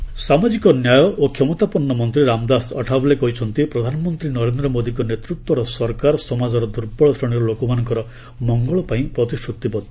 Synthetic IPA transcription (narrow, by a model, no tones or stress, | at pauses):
samad͡ʒikɔnjajɔʔokʰemɔt̪apɔnːɔmɔnt̪ɾiɾamd̪asɔʈʰabɔlekɔɦit͡ʃʰɔnt̪ipɾɔd̪ʱanɔmɔnt̪ɾinɔɾend̪ɾɔmod̪ikɔnet̪ɾut̪wɔɾɔsɔɾkaɾɔsɔmad͡ʒɔɾɔd̪uɾbɔɭɔsɾɔɽ̃iɾɔlokɔmanɔŋkɔɾɔ | mɔŋɡɔɭɔpaĩpɾɔt̪isʈʰut̪ibɔt̪